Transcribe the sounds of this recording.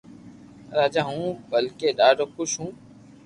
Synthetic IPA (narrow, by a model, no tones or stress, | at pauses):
ɾaːd͡ʒaːɦũːbəlkeːɗaːɖoːkʊʃɦũː